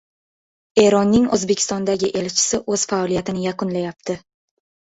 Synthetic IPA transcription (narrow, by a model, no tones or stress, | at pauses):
e̞ɾɒnːɪŋozbe̞kʲʰɪ̥st̪ɒnd̪aɡʲɪʔe̞lt͡ʃʰɪ̥sɪʔɵz̥faɒlijat̪ɪnɪjaqʊnlajap̚t̪ʰɪ